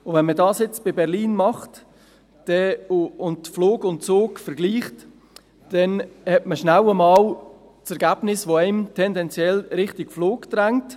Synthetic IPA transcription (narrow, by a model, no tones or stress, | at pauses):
ʊvɛnmədɑːsjɪt͡sb̥ɪbɛʁliːnmɑχt | d̥ɛʊntfloːɡʊnt̚t͡soːkfɛɾɡliːχt | d̥ɛnhɛtməʃnaʊəmɑːl | t͡sɛɾɡæːb̥nɪsʋoɛɪmtʰɛndɛnt͡sjɛlɾɪχtɪkfloːkd̥̪ɾaŋt